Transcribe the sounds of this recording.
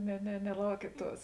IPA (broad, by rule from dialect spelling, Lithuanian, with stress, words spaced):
nʲɛ nʲɛ nʲɛˈlˠɐʊkʲiɛt ˈtuɔs